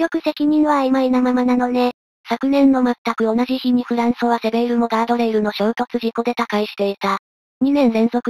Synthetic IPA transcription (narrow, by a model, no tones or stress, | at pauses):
jʲo̞kɯ̟se̞kʲiɲ̟ĩɰ̃βaimainamamanano̞ne̞ | sakɯ̟nẽ̞nːo̞mat̪ːakɯ̟o̞naʑiçiɲ̟iɸɯ̟ɾãɰ̃soβase̞be̞iɾɯ̟mo̞ɡ̪aːd̪o̞ɾeiɾɯ̟no̞ɕo̞ːt̪o̞t͡sɨʑiko̞d̪e̞t̪akaiɕi̥t̪e̞it̪a | ɲ̟inẽ̞ñzẽ̞ɰzo̞kɯ̟